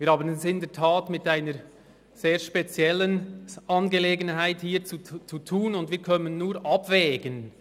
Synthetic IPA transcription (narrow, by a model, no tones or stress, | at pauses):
viːɾhaːbənʊnsɪndɛɐtʰaːtmɪtaɪnəɾ | z̥eːɾʃpet͡sjɛlənʔɑnɡeleːɡənɦaɪthiːt͡sut͡sutʰuːnʊndviːkʰœnənːuːɾʔɑbvɛːɡən